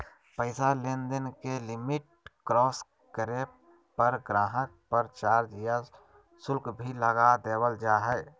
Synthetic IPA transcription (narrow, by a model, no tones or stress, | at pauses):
pəɪsalend̪ənkelɪmɪʈ̚ | kɾɔːs | kəɾeːp | pəɾɡɾaːɦək̚pəɾt͡ʃaːɾd͡ʒija | sʊlkbʱiləɡad̪eːwəld͡ʒaːɦɛː